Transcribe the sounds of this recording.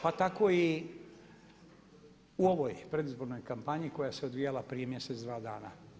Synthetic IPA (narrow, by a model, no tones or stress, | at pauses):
pat̪ako̞i | uo̞ʋo̞jpɾe̞d̪izbo̞ɾno̞jkampaɲiko̞jase̞o̞d̪ʋijalapɾije̞mje̞set̪d̪ʋaːd̪a̰ːna̰